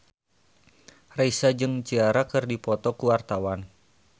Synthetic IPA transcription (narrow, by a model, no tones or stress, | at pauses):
raisad͡ʒɨŋt͡ʃiaɾakɨrdipɔt̪ɔkuwart̪awan